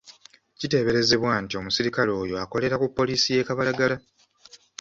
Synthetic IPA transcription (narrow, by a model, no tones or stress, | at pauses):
cite̞ːβe̞ɾe̞ze̞βwaːntio̞musiɾikalo̞ːjo̞ako̞le̞ɾakupːo̞liːsije̞ːkaβalaɡala